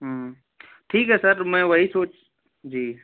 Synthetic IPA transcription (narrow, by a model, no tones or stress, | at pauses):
ɦ | ʈʰiːkɦɛsəɾmɛ̃ʋɐɦisoːt͡ʃ | d͡ʒiː